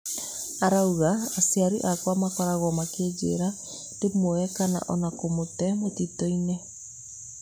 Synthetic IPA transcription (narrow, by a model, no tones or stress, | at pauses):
aɾauɣaːsiaɾḭʔakwamakɔɾaɣɔmaked͡ʒḛɾa | demoɛkana̰ʔɔnakomotɛmotitɔinɛ